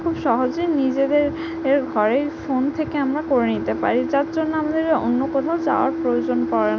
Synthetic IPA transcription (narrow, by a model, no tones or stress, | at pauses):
kʰubʃɔɦod͡ʑenid͡ʑed̪eɾ | eɾɡʱɔɾejfont̪ʰekeamɾakoɾenit̪epa̰ɾid͡ʑaɾd͡ʑonːoamad̪eɾeo̰nːokɔt̪ʰaod͡ʑaoaɾpɾojod͡ʑonkɔɾen